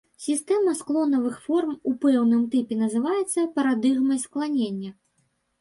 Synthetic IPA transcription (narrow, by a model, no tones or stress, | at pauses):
sʲist̪ɛmɐsklˠɔnɐvɨxfɔrmupɛwnɨmt̪ɛpʲɛnɐzɨvajɛt̪sːɐpɐɾad̪ɨɣmɐjsklˠanʲenʲːɐ